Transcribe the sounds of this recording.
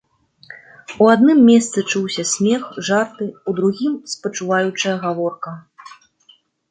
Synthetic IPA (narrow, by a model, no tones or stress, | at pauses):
uad̪nɨmːʲɛst̪sɨt͡ʂuwsʲɐsʲmʲɛxʐart̪ɨud̪ɾuɣʲimspɐt͡ʂuvajut͡ʂɐjɐɣavɔrkɐ